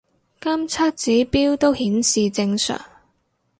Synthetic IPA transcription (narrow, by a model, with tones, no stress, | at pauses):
kɐ˥mt͡sʰa˥t̚t͡siː˨˥piː˥wt̪o˥whiː˨˥nsiː˨t͡sɪ˧ŋsœ̰ː˨˩ŋ